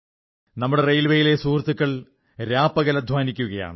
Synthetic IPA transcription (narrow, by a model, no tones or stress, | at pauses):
nɐmːuɽe̞rejlʋejile̞suːrt̪ːukːɐɭ | ɾaːpɐɣɐlɐd̪ʱʋaːnikʲːuɣɐja̰ːɳɨ